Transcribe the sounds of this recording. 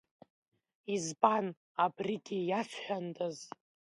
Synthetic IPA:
izban | abriɡʲijat͡sʷʰħʷᶣandʰʼaz

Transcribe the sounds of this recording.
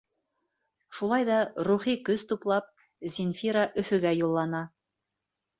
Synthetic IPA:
ʃulˠɑjðɑɾuχikɵzt̪uplˠɑp̚ | zʲinfʲiɾaʔɵ̆θɵ̆ɡæjulˠːɑnɑ

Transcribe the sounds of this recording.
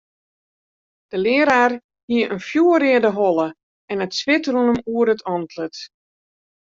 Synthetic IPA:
d̥əlɪəɾaːr | hiəʔənfjuːəɾɪədəɦɔlˠə | ɛnətsʋɪtrunəmuəɾətʰɔntlət

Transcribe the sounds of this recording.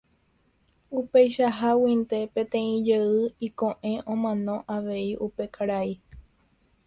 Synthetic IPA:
upe̞jʃaɦawĩnt̪e̞pẽ̞t̪ẽ̞ĩd͡ʒeɨikõ̞ʔẽ̞ʔõ̞mãnõ̞ʔaʋe̞iʔupe̞kʰaɾai

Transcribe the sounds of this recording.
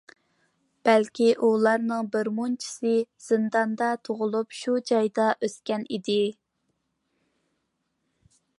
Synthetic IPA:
b̥ælkʲʰiʔulˠɑɾnɨŋbɪɾmunt͡ʃʰi̥sɨz̥ɨnd̪ɑnd̪ɑt̪ʰoʁʊlˠupʃud͡ʒɑjd̪ɑʔøskʲɛnid̪ɪ

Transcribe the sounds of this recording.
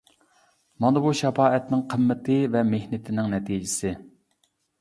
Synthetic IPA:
mɑnɨbuʃɛpɑːɛt̪nɪŋqʰəmːɪt̪ʰɪvɛmehnɪt̪ʰɪnɪŋnɛt̪ʰid͡ʒɪsɪ

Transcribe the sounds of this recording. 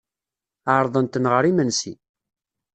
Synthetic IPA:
aɾˤðˤənt̪ənʁəɾimənsḭ

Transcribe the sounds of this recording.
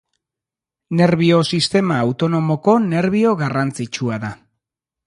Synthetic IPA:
ne̞ɾβio̞sist̪e̞maːwt̪o̞no̞mo̞ko̞ne̞ɾβ̞io̞ɣarant͡sit͡ʃuaða

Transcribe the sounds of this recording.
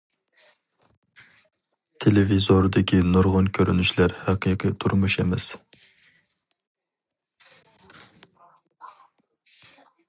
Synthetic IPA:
t̪ʰelevizoɾd̪ɪkʲʰinuɾʁʊnkʲʰøɾynyʃlæɾhæqʰiqʰɨt̪ʰuɾmuʃemɛs

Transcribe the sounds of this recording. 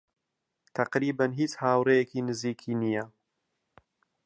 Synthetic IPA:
t̪ʰɐqɾiːbanɦiːt͡shaːwɾejɛkiːnɨziːkʰiːnija

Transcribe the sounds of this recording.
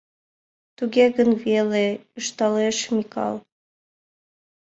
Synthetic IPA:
t̪uɣʲeɣənveleɯʃt̪ɑleʃmikɑ̰lˠ

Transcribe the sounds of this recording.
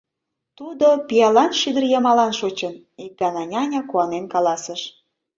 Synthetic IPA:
t̪ud̪opiɑlɑnʃid̪ərjɑmɑlɑnʃot͡ɕən | ik̚ɡɑnɑnʲɑnʲɑkuɑnenkɑlɑsəʃ

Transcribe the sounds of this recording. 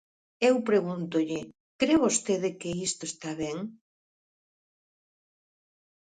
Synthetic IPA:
ewpɾeɣunt̪ʊʎɪ | kɾewβost̪eðɪkɪist̪oest̪aβeŋ

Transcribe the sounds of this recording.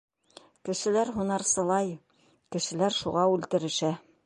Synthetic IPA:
kɘ̆ʃɘ̆læɾɦunɑɾsɤ̆lˠɑj | kɘ̆ʃɘ̆læɾʃuʁɑʉlt̪ɘ̆ɾɘ̆ʃæ

